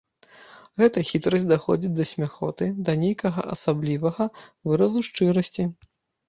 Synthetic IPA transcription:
ɣɛt̪ɐxʲit̪ɾɐsʲtʲd̪axɔ̰d͡zʲit͡sʲd̪ɐsʲmʲaxɔ̰t̪ɨd̪ɐnʲejkɐɣɐ̰ʔɐ̰sablʲivɐɣɐvɨɾɐzuʂt͡ʂɨɾɐsʲt͡sʲi

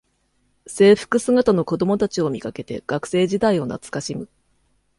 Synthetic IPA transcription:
se̞ːɸɯ̟̥kɯ̟sɨɡat̪ano̞ko̞d̪o̞mo̞t̪at͡ɕio̞mʲikake̞t̪e̞̰ɡ̥akɯ̟̥se̞ːʑid̪aio̞na̰t͡sɨ̥kaɕimɯ̟

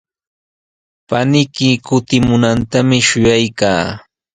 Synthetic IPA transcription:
panɪkɪkʊt̪ɪmʊnant̪amɪʃʊjajkaː

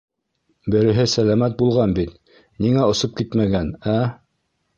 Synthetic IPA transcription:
bɘ̆ɾɘ̆ɦɘsælæmæt̪̚bulˠʁɑnbit̪ | niŋæŏsop̚kit̪mæɡænæ

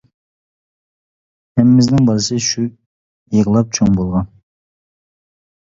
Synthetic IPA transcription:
hɛmɪmɪznɪŋbɑɾɨsɨʃu | jəʁəlˠɑp̚t͡ʃʰoŋbolˠʁɑn

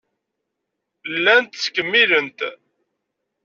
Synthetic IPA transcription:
lːænt̪skːəmːilənt̪

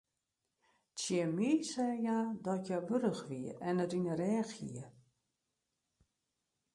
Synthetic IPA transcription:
tjɪmisɛjadɔtʰjabøɾəxʋiəɛnətinərɛːxḭə

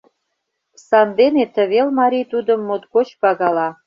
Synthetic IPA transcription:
sɑnd̪enet̪ə̆βelmɑɾʲijt̪ud̪ə̆mːot̪ɡot͡ɕpɑɣɑlɑ

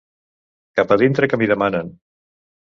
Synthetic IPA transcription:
kapəðint̪ɾəkəmiðəmanən

